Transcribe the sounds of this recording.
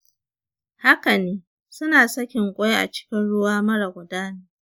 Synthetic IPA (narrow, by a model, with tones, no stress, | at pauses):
ha˦ka˨neː˦ | sʊ˦naː˨sɐ˦kʲɪ˨ŋkʷʼo˦ja˦ʔa̰˨t͡ʃɪ̥˦kʲɪ˦nɽʊ˦waː˦mɐ˦ɽa˨ɡʷʊ˨daː˦neː˦